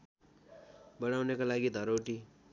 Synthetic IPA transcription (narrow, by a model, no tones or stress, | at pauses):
bʌɽ̃awnekalaɡid̪ʱʌɾowʈi